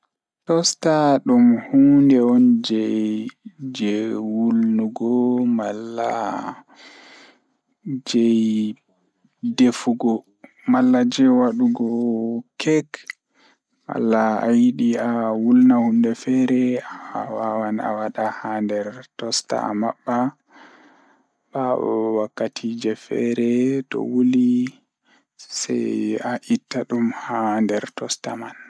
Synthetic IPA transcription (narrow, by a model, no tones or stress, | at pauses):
tɔstaɗumhundɛɔnd͡ʒɛjjd͡ʒɛwulnuɡɔmalːa | d͡ʒɛj | defuɡɔ | malːad͡ʒɛwaɗuɡɔkʰɛk | ma̰lːa̰ːjiɗiawulnahumdɛfɛɾɛaawawana̰waɗahandɛɾtɔsta̰a̰maɓːa | baɔ̰wakːatʰid͡ʒɛfɛɾɛtɔ̰wuli | sɛ̰jaʔitːaɗumhandɛɾtɔstaman